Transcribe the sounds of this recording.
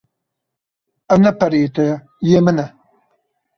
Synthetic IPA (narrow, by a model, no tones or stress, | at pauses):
ɐnɐpʰɐɾeːt̪ʰɐ | jemɨnɐ